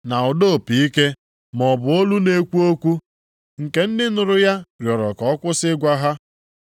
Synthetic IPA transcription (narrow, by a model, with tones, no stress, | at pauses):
na˨ʊ˨do˦˨pi˨i˦ke˦ | mɔ˨bʊ˨o˦lu˦ne˦kʷu˦o˦kʷu˦ | ŋ̩˨ke˨n̩˦dɪ˦nʊ˨ɾʊ˦ja˦ɾjɔ˨ɾɔ˨kɔ˨˦kʷʊ˦sɪ˦ɡʷa˦ɦa˦